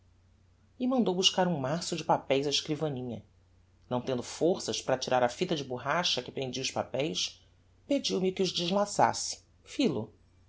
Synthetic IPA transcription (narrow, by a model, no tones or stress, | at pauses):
ɪmɐ̃nd̪owbuʃkaɾũmasʊd͡ʒɪpapɛjzɐɪʃkɾivɐnĩɲɐ | nɐ̃w̃t̪ẽnd̪ʊfoχsɐʃpɾɐt͡ʃiɾaɾɐfit̪ɐd͡ʒɪbuɦaʃɐkɪpɾẽnd͡ʒiʊʃpa̰pɛjs | ped͡ʒiwmɪkɪʊʒd͡ʒiʒlasa̰sɪ̥ | filʊ̰